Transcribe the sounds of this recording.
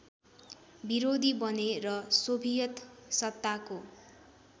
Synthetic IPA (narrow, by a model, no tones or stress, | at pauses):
biɾod̪ʱibʌnerʌsobʱijʌt̪sʌt̪ːako